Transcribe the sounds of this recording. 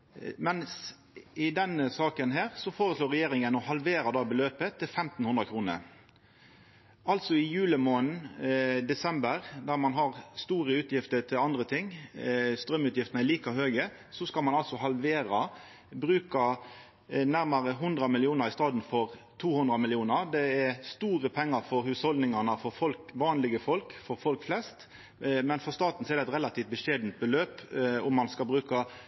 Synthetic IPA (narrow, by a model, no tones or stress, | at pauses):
mɛns | ɪd̪ɛnəsɑːkənɦeːʁsɔfoːʁəsloːɾʁɛjeːɾɪŋənɔhɑlʋeːɾɑd̪ɑːbəløːpət̪ʰːɪlfɛmt̪n̩hʉnd̪ɾəkʰɾuːnə̰ɾ | ɑlt̪sɔɪjʉːləmoːnd̪ɛsɛmbəɾd̪æʁmɑnɦɑʁst̪uːʁəʉːt̪jɪft̪ət̪ʰɪlɑnd̪ɾət̪ʰɪŋst̪ɾœmʉːt̪jɪft̪næɪliːkɑɦøːɡə | sɔskɑlmɑnɑlsɔɦɑlʋeːɾɑ | bɾʉːkɑ | næɾmɑɾəɦʉnd̪ɾɑmɪlɪuːnəɾɪst̪ɑːd̪n̩fɔʁt̪ʰuːhʊnd̪ɾɑmɪlɪuːnəɾd̪ɛæɾst̪uːɾəpʰɛŋːɑɾfɔɾhʉːshɔld̪nɪŋɑnəfɔɾfɔlkʋɑːnlɪɡəfɔlkfɔɾfɔlkflɛst̪ | mɛnfɔʁst̪ɑːt̪n̩sɔɛɾd̪ɛt̪ʁɛlɑt̪ʰiːft̪̚bəʃeːd̪nt̪̚bəløːpʊmːɑnskɑlbɾʉːkɑ